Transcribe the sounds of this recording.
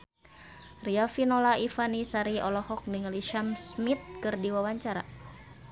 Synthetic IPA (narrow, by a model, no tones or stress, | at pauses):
rialfinɔlaifanisaɾiɔlɔhɔk̚niŋliʃamsmit̪̚kɨrdiwawaɲt͡ʃaɾa̰